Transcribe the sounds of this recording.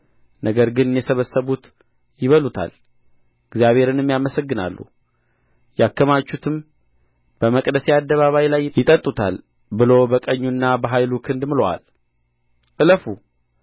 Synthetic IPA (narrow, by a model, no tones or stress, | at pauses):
nəɡəɾɡɨnɨnjɛsəβəsːəβut̪ | jɪβəlut̪ʰa̰l | ɨɡzijaβhe̞ɾɨnɨmjaməsəɡːɨna̰lːṵ | jakʰːəmat͡ʃːut̪ʰɨm | b̥əməkʼd̪əsead̪ːəβaβajlajjɪt̪ʼət̪ʼːut̪ʰa̰l | bɨlo̞bəkʼəɲːunːabəɦajlukʰɨnd̪mɨlowa̰l | ʔɨləfu